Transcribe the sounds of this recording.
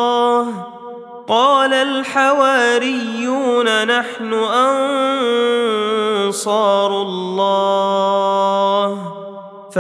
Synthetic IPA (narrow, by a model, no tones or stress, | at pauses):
h | qɑːlalħawaːɾɪjːuːnanaħnʊʔan | sˤɑːɾʊlˤːɑː | h | f